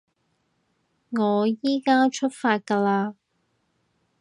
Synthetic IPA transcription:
ŋɔː˨˧jiː˥kaː˥t͡ʃʰɵ˥t̚faː˧t̚kaː˧laː˧

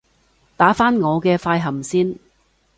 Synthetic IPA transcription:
t̪aː˨˥faː˥nŋɔː˨˧kɛː˧faː˧jɦɐ˨˩msiː˥n

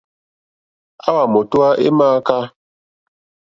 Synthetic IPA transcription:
a˦wa˨mo˨tu˦a˦ʔḛ˦maː˦ka˦

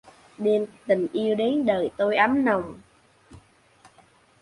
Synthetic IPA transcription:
ɗe˧nt̪ï˨˩ŋ̟ʔi˧əwɗe˨˦nɗəː˨˩jt̪o˧jʔa˨˦mnə˨˩wŋ͡m

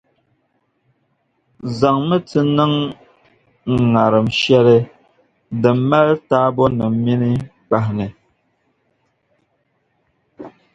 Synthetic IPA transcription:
za˨ŋmə˦tɨ˦nə˦ŋ | ŋ̩˨ŋa˨ɾə˨m̩˨ʃjɛ˦ɾɛ˦ | də˨m̩˦ma˦ltaː˦bɔ˦nə˨m̩˦mi˦ni˦ | k͡pa˨hnɛ˨

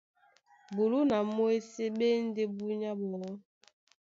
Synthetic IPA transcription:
bu˨lu˦na˨mo˦e˦se˦ɓe˦n˦de˦bu˦ɲa˦bɔ˨ɔ˦

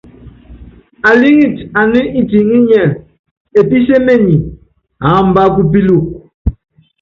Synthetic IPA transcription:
a˨li˦ŋi˦˨ta˨ni˦ʔi˦ti˨ŋi˦ɲɛ˦˨ | e˨pi˦se˦me˦ɲi˨ | a˨˦m̩˨ba˦k̬u˦p̬i˦lu˦˨k̚

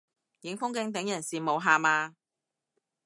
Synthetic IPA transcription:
jɪ˨˥ŋfʊ˥ŋkɪ˧˥ŋt̪̬ɪ˨˥ŋjɐ˨˩nsiː˨mo˨˧wɦaː˨maː˧

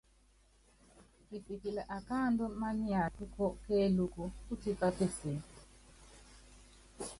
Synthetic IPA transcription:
pi˨pi˨ki˨lɛ˨ʔa˨ka˦˨ndɔ˦ma˦ni˦a˨tu˦kɔ˦kɛː˦lu˦ku˦u˦ti˦pa˦pe˦si˨

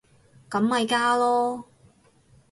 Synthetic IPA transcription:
kɐ˨˧˥mhɐ˨˧jkaː˥lɔː˥

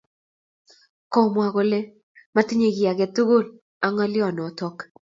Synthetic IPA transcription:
kɔ˨mwa˨ɣo˨le˦ | ma˦tɪ˦ɲe˨ɡɪ˨a˨ɡɛ˨tu˦ɡo˦˨l | a˨˦ŋɔ˦lɪ˦ɔ˨nɔ˨tɔ˦k

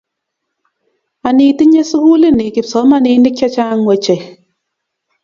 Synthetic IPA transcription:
a˨ni˨ti˦ɲe˦su˦ku˦li˦ni˨kɪ˨psɔ˨˦ma˦niː˧˦nɪ˦k̚a˦t͡ʃa˦ŋwe˨t͡ʃe˨

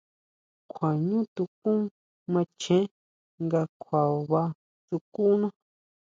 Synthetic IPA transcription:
kʷʰa˨ɲũ˦t̪u˧kũ˦ | mã˧t͡ʃʰẽ˦ | ŋɡa˧kʷʰa˨βa˧ | t̪u˧ku˦nã˦

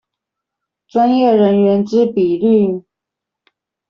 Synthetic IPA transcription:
ʈ͡ʂwa˦njɛ˥˩ɻə˧˦˥nɥɛ˧˥nʈ͡ʂɻ̩˥pi˨˩ly˥˨

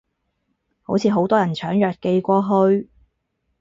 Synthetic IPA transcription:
ho˨˥wt͡sʰiː˨˧ɦo˨˥wt̪ɔː˥jɐ˨˩nt͡ʃʰœː˨˥ŋjœː˨t̚ke˧jkʷɔː˧ɦɵ˧ɥ

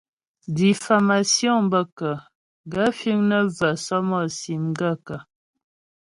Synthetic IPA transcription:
di˨fa˨ma˨sjɔ̃˦˨bə˦kə˨ | ɡa˦fi˦ŋnə˦və˨sɔ˦mɔ˦˨si˨mɡə˦˨kə˨

